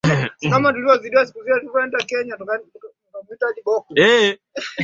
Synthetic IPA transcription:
kamatuliɔziɗiasi̥kuziatuukaɛndakɛɲatuk | namitaɗiɓɔkuɛ

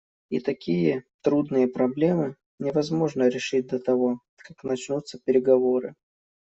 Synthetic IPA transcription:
ḭt̪ɐkʲijət̪ɾud̪nɨjəpɾɐblʲe̞mɨ | nʲɪvɐzmo̞ʐnəɾʲɪʂɨt̚ʲd̪ət̪ɐvo̞ | kaknɐt͡ɕnut̪səpʲɪɾʲɪɡɐvo̞ɾɨ̰

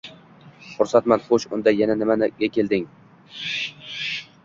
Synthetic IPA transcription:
χʊɾsat̪manχoʃʊ̰nd̪ajananɪmanɡʲakʲʰe̞ld̪ɪŋ

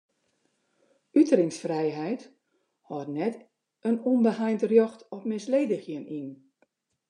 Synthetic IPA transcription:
ytərɪŋsfrɛjɦɛjt | hɔtnɛt | ənɔnbəhajntərjɔxtɔp̚mɪsleːdəxjənin

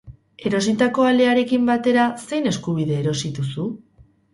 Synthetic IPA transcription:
e̞ɾo̞sit̪ako̞ale̞aɾe̞kimbat̪e̞ɾase̞jne̞skuβ̞iðe̞ːɾo̞sit̪usu

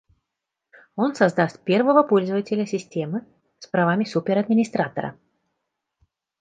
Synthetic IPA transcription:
onsɐzd̪astʲpʲɛrvəvəpɔlʲzəvətʲɪlʲəsʲɪsʲtʲemɨ | spɾavamʲɪsupʲɪɾɐd̪mʲɪnʲɪst̪ɾat̪ə̰ɾə̰

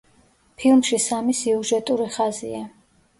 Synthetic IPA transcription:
pʰilˠmʃisamisiuʒɛt̪ʼuɾiχazḭa

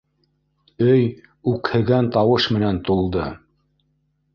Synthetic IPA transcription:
ɵj | ʉkhɘ̆ɡænt̪ɑwɤʃmɘ̆nænt̪ulˠd̪ɤ

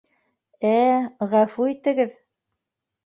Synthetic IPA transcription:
æʁæfuit̪ɘ̆ɡɘð

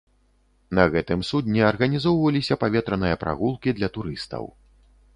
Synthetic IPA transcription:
nɐɣɛt̪ɨmsud̪ʲnʲɛɐrɣɐnʲizɔwvɐlʲisʲɐpavʲɛt̪ɾɐnɨjɐpɾʔa̰ɣulˠkʲid̪lʲɐt̪uɾɨst̪ɐ̰w

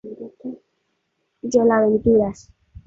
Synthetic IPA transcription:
d͡ʒolaβent̪iɾas

